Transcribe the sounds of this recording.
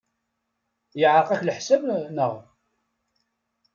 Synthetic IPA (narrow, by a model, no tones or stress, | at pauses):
jəʕɾqæçləħsæbnəʁ